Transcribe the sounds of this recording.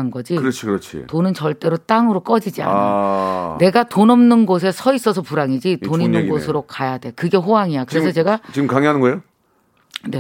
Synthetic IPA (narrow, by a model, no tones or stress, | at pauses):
anɡʌd͡ʑikɯɾʌt͡ɕʰikɯɾʌt͡ɕʰḭtonɯnt͡ɕʌɭt͈e̞ɾot͈aŋɯɾok͈ʌd͡ʑid͡ʑia̰nane̞ɡatonʌmnɯnɡos̬ʰe̞sʰʌis͈ʌsʰʌpuɾaŋid͡ʑitoninɯnɡosʰɯɾokajadwe̞kɯɡe̞ɸoɦaŋijakɯɾe̞s̬ʰʌt͡ɕe̞ɡat͡ɕimkaŋiɦanɯnɡʌjo | ne̞